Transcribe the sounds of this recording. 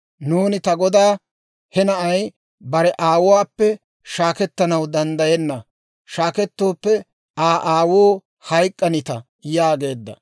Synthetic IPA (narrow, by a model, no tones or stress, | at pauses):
nuːnɪt̪ɐɡɔd̪aː | hɛnɐʔɐj | bɐɾɛʔaːwʊwaːpːɛ | ʃaːkɛt̪ːɐnɐwd̪ɐnd̪ɐjɛnːɐ | ʃaːkɛt̪ːo̞ːpːɛ | aːʔaːwoː | hɐjkʼːɐnɪt̪ɐ | jaːɡe̞ːd̪ːɐ̰